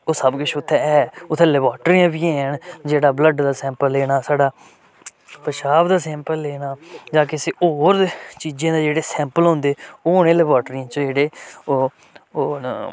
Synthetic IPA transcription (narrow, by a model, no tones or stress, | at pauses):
oːsəbkɪt͡ʃʰʊt̪ʰːɛɛːʊt̪ʰːẽːlɛːbaːʈɾiːãːbiːɛːɳd͡ʒeːɽaːbləɖd̪aːsɛ̃ːmpəlːeːɽaːsaːɖaː | pəʃaːbd̪aːsɛ̃ːmpəlːeːnaːd͡ʒãːkɪseːʔoːɾet͡ʃiːd͡ʒãːd̪eːd͡ʒeːɽeːsɛ̃ːmpəlɦʊ̃nd̪eːoːɽẽːlɛːbaːʈɾiːãːt͡ʃd͡ʒeːɽeː